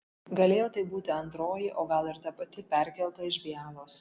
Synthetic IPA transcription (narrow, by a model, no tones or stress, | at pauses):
ɡɐlʲeːjoːt̪ɐɪbuːt̪ʲɪɐnt̪ɾoːjɪʔoːɡɐlˠɪɾt̪ɐpɐt̪ʲɪpʲɛˑɾʲkʲɛlˠt̪ɐɪʒʲbʲɪjæːlˠoːs